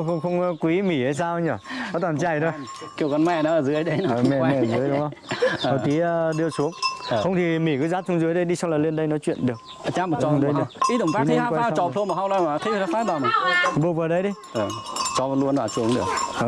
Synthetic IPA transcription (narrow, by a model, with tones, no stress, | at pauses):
ŋ͡mxə˧wŋ͡mkwi˨˦mi˧˩ha˧js̬aː˧wɲəː˧˩nɔ˨˦t̪waː˨˩nt͡ɕa˧˩jɗə˧˩ | ki˧˩əwkɔ˧˦nmɛ˧˩nɔ˨˦ə˨˩zɨ˨˦jɗə˨˦jnː˧˨˩mɛ˨˧˨mɛ˧˨˩zɨ˨˦əjɗŋ͡mhə˧wə˨˩k̪i˨˦ə˧ɗɨ˧əsu˨˦əŋxə˧wŋ͡mt̪ʰi˨˩mi˧˩kɨ˨˦zaː˨˦˥t̚t͡ɕʊ˧ŋ͡mzɨ˨˦jɗə˧jɗi˧sa˧wŋ͡mlaː˨˩le˧nɗə˧jnɔ˨˦t͡ɕwḭ˧˨ənɗɨ˨˩ək | ə˨t͡ɕaː˧˦mɔ˨t͡ɕɔ˨˧ɗə˨˧jɗɨ˨˧˩əʔi˦˥t̪ɨ˧˩˨fai˨˦˨aː˧˦kːa˧˦˨t͡ɕɔ˨t̪ʰu˧nmɔ˨˩ha˧wlaː˧˩maː˨˩˨xi˧˦fə˨˩a˨˦faː˦˥ɓ̪aː˨˩ma˨˩ɓu˧ək̚vəː˨˩ɗə˧jɗi˧˦jʔə˨˩t͡ɕɔ˧˨lu˧ənlaː˨˩su˨˦əŋɗɨ˨˩ək̚ʔəː˨˩